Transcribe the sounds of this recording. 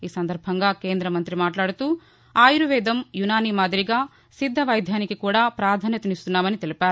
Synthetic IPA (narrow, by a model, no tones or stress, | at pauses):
iːsɐnd̪ɐɾbʱɐŋɡaːke̞ːnd̪ɾɐmɐnt̪ɾimaːʈlaːɽut̪uː | aːjuɾuʋɛːd̪ɐmjunaːniːmaːd̪ʱiɾiɡaː | sid̪ʱːɐʋɐjd̪ʱjaːnikikuːɽaːpɾaːd̪ʱaːnjɐt̪unist̪unːaːmɐnit̪elipaːɾu